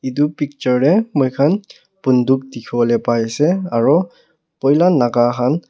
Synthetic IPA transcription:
idupik̚t͡ʃɔɹːɛmɔjkʰan | punduk̚dikʰiɔlɛpajsɛaɹɔ | pɔjlanaɡakʰan

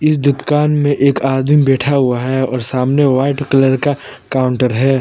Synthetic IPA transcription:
ɪsd̪ʊk̪kaːnmẽʔeːkaːd̪ĩbɛːʈʰaɦʊaɦɛɔːɾsaːmneʋaːɪʈkɐləɾka | kaːʊɳʈəɾɦɛː

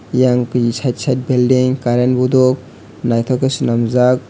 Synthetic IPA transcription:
jaŋkisʰajt̚sʰajt̚bildiŋkaɾenbudɔk̚ | najt̪ʰɔkesunamzak̚

